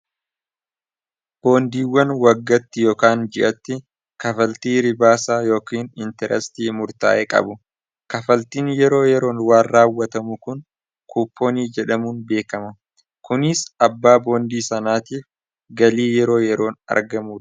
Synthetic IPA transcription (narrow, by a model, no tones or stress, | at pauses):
b̥o̞ːnd̪iːwːɐnwɐɡːɐt̪ːɪjo̞ːkaːnd͡ʒɪʔɐt̪ːɪ | kɐfɐlt̪iːɾɪbaːsaːjo̞ːkiːnɪnt̪ɛɾɛ̰st̪iːmʊɾt̪a̰ːʔeːkʼɐ̰bʊ | kɐfɐlt̪iːnjɛɾo̞ːjɛɾo̞ːnwaːnraːwːɐt̪ɐmʊkʊn | kʰuːpːo̞ːniːd͡ʒɛᶑɐmuːnbe̞ːkɐmɐ | kʊnɪsɐbːaːbo̞ːnd̪iːsɐnaːt̪iːf | ɡɐliːjɛɾo̞ːjɛɾo̞ːnɐ̰ɾɡɐmuːᶑ